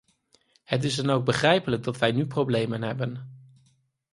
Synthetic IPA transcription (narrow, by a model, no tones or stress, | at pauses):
hət̬ɪzdɑnowɡ̚bəχrɛjpələɡ̚dɑtʋɛjnyprowblejmənɦɛbən